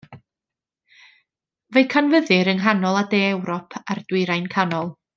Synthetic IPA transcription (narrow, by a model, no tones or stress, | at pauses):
vejkʰanvəðɨɾənɦanɔlˠadeːɛwɾɔpʰard̥wɪɾajnkʰanɔlˠ